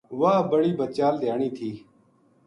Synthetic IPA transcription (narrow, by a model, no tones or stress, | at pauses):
ʋaːbəɽiːbət͡ʃaːld̪ɪjaːɳiːt̪ʰiː